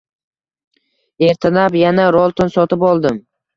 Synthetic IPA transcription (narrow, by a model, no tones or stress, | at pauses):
e̞ɾt̪ʰɪnapjanaɾolˠt̪ʰonsɒt̪ɪpɒlˠd̪ɪm